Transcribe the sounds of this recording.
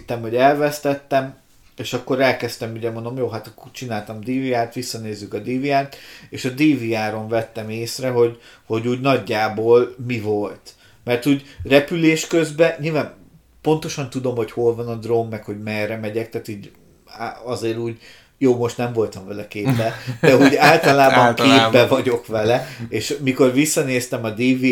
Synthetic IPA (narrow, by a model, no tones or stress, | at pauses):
t̪ːɛmho̞ɟɛlvɛst̪ɛt̪ːɛm | eːʃɒkːo̞ɾɛlkɛst̪ɛmuɟɛmond̪o̞mjoːɦat̪ɒkːort͡ʃinaːlt̪ɒmd̪iːviaːrt̪ʋisːɒneːzːykɒd̪iːviaːrt̪eːʃɒd̪iːviaːɾo̞ɱvɛt̪ːɛmeːsrɛɦo̞ɟ | ho̞ɟuːɟnɒɟːaːboːlmivo̞lt̪ | mɛrt̪uːɟrɛpyleːʃkø̞zbɛɲilvaːn | po̞nt̪o̞ʃɒnt̪ud̪o̞mho̞cho̞lvɒnɒd̪romːɛkho̞ɟmɛrːɛmɛɟɛk̚t̪aːt̪uːɟ | ɒzeːɾuːɟ | joːmo̞ʃt̪nɛɱvo̞lt̪ɒɱvɛlɛkeːbbɛd̪̥ɛuːɟaːlt̪ɒlaːbɒŋkeːbbɛvɒɟo̞kʋɛlɛeːʃmiko̞rʋisːɒneːst̪ɛmɒd̪iːvi